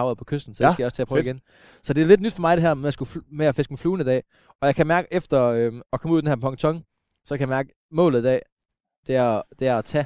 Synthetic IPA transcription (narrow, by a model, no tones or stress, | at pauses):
ɑʊð̩ˠpʰɒ̽kʰøsd̥n̩sɒdesɡ̥əjɒ̽st͡sʰḛːpʰʁəiɡen | sɒ̽d̥e̝æle̝d̥nyd̥fɒ̽mɑ̈ɪɾ̥e̝ɦæɐ̰memjasɡ̥ufmeæfe̝sɡ̥mifluːn̩əid̥ɛ̰ː | ɒ̽jɑ̈ɪkʰæmæɐɡ̥əefd̥ɐøɒ̽kʰɒmuðˠd̥enhæɐpʰɒ̽ŋt͡sʰɒ̽ŋ | sɒ̽kʰæjɑmæɐɡ̥ə | mɔ̰ːlð̩ˠd̥ɛ̰ː | d̥e̝æɐd̥e̝æɐt͡sʰɛ